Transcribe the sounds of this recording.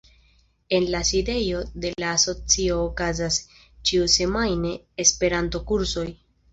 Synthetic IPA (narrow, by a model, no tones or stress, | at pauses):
e̞nlaside̞jo̞de̞laːso̞t͡sio̞ːkazas | t͡ʃiuse̞majne̞ːspe̞ɾanto̞kuɾso̞j